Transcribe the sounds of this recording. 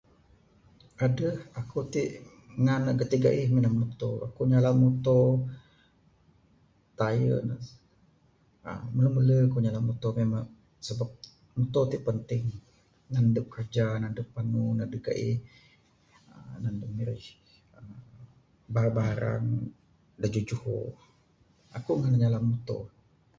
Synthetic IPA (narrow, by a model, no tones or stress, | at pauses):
adəhakut̪iʔ | ŋanəʔkət̪iɡa̰ʔihminammut̪oa̰kuɲalamut̪o | t̪ajə̰nə | ə̰mələmələkuɲalamut̪omemaŋ | səbap̚ | mut̪ot̪iʔpənt̪ɪŋ | nandəʔ̚kərd͡ʒanandəʔpːanunadəɡa̰ʔi | ənandəʔmiɾɪh | ə | babaɦaɾa̰ŋ | dad͡ʒud͡ʒuho̰ | a̰kuŋanaɲalamut̪o̰